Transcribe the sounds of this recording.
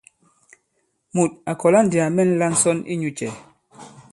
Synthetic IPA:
mu˨t̚a˨kɔ˨la˦n̩˦dja˨mɛ˦˨n̩˦la˦n̩˦sɔ˦nḭ˦ɲu˦t͡ʃɛ˨

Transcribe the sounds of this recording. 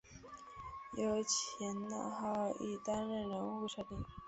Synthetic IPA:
jo˧˥ʊt͡ɕʰjɛ˧˥nd̪ə̰˧xɑ˥˩ʊḭ˥˩t̪a˥nɻə˥˩nɻə˧˥ŋu˥˧ʂa˥˩t̪i˥˩ŋ

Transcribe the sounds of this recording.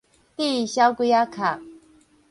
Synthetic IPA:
t̪i˥˧˨ɕja˦ʊku˥˦ja˦kʰa˨

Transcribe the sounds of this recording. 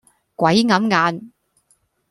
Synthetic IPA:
kʷɐ˨˥jŋɐ˨˥mŋaː˨˧n

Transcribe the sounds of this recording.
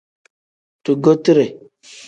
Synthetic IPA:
tu˨ɡo˦ti˦ɾe˨

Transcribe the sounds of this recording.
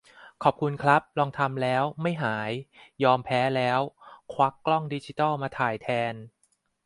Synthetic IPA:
kʰɔː˨˩p̚kʰu˧nkʰɾa˦˥p̚lɔː˧ŋt̪ʰa˧mlɛː˦˥wma˥˩jɦaː˩˦jːɔː˧mpʰɛː˦˥lɛː˦˥wkʰwa˦˥kːlɔ˥˩ŋdiː˧˦˥t͡ɕiː˦t̪ɔ˥˩wmaː˧t̪ʰaː˨˩jt̪ʰɛː˧n

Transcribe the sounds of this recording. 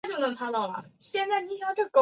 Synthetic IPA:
t͡ɕo˥˩ʊnɤ˧˥˩ŋt͡sʰa˥t̪ɑ˥˩ʊlɐ̰˩ɕjɛ˥˧nt͡sa˥˩ɪni˧˥ɕɑ˨˩˥ʈ͡ʂɤ˥˩ko˥

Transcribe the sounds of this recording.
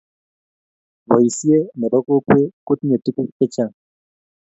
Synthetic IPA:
βo˨ji˨si˦e˦nɛ˨bɔ˦ko˦kwe˦ko˦tɲe˨tu˦ku˦kɛ˦t͡ʃa˦˨ŋ

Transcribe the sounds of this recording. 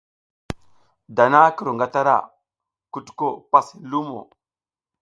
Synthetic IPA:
da˨na˦kə˨ɾu˨ŋɡa˦ta˦ɾa̰˨ | ku˨tko˦˨pa˦si˨lu˦mo̰˨

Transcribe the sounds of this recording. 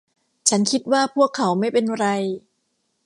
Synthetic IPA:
t͡ɕʰa˦˥nkʰi˦˥t̪̚waː˥˩pʰu˥˩əkʰːa˩˦wma˥˩jpe˧nɾa˧j

